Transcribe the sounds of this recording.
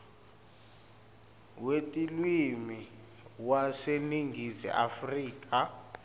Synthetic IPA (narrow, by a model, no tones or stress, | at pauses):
wetʼilwimi | waseniŋɡʱizḭʔa̰friːk̬ʼa